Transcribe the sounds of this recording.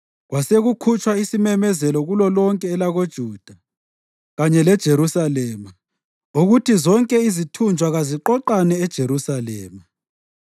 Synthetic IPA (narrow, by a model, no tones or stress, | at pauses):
ɣwaseɣukʰut͡ʃʰʼwaisimɛmɛzɛlɔɣulɔlɔŋkʼɛːlaɣod̥ʒ̥ʱuːd̥ʱa | ɣaɲɛlɛd̥ʒ̥ʱeɾusalɛːma | uɣutʰizɔŋkʼɛizitʰund͡ʒʱwaɣaziǃɔǃanɛːd̥ʒ̥ʱeɾusalɛːma